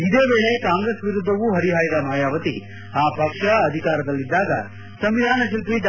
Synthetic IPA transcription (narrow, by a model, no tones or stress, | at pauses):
id̪eːbeːɭe̞kaːŋɡɾesʋiɾud̪ʱːɐʋuɦɐɾiɦaːjɐd̪ɐnaːjaːʋɐt̪ḭ | aːpɐkʂɐɐd̪ʱikaːɾɐd̪ɐlːid̪ːaːɡɐ̰ | sɐmʋid̪ʱaːnɐʃilp̪ɾid̪